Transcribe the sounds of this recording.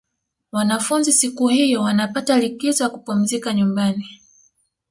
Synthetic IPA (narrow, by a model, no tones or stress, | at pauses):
wanafunzisikuhijɔwanapatalikizɔjakupum̩zikaɲumbani